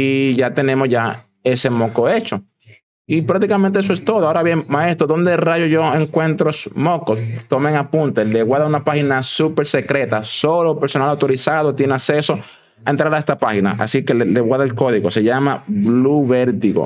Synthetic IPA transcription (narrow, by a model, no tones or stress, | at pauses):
iʝat̪enẽ̞mosʝa | e̞se̞moko̞e̞t͡ʃo̞ | ipɾak̚t̪ikamẽnt̪eesoe̞st̪oðoaoɾaβje̞ŋmae̞st̪ɾoðo̞nd̪e̞raʝoʝo̞eŋkwe̞nt̪ɾosmo̞kost̪o̞meŋapunt̪eleɣwaɾðaunapaxinasupe̞ɾse̞kɾe̞t̪aso̞lopeɾso̞nalawt̪o̞ɾisaðot̪jeneakse̞so̞ | aent̪ɾaɾaest̪apaxina̰ʔa̰sike̞leleɣwaðaelko̞ðiɣo̞se̞ʝamabluβe̞ɾt̪iɣo̰